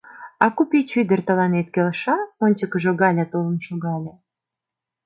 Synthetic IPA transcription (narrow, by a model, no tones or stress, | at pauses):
ɑkupit͡ɕyd̪ə̆rt̪ə̆lɑnet̪kelʃɑonʲt͡ɕə̆kə̆ʒoɣɑlʲat̪olə̆mʃoɣɑlʲe